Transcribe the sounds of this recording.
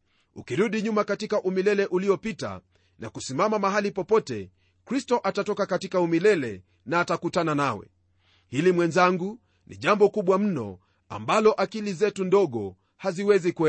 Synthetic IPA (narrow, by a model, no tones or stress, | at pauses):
ukiɾuɗiɲumakatikaʔumilɛlɛʔuliɔpita̰ | nʔa̰kusimamamaɦalipɔpɔtɛ̰ | kɾistɔʔatatɔkakatikaumilɛlɛ | naːtakutananawɛ̰ | hilimwɛnzaŋɡu | nʔḭʄambɔkuɓwam̩nɔ̰ | a̰mbalɔʔakilizɛtundɔɠɔ | haziwɛzikuɛ